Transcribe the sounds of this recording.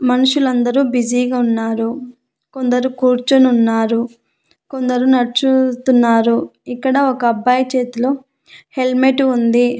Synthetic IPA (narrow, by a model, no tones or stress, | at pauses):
mɐnuʂulɐnd̪ɐɾubid͡ʒiːɡaːunːaːɾu | ko̞nd̪ɐɾukuːɾt͡ʃununːaːɾu | ko̞nd̪ɐɾunɐɾt͡ʃut̪unːaːɾuikːɐɽɐokɐːbːaːjɐt͡ʃeːt̪ulo | he̞lmeʈuund̪i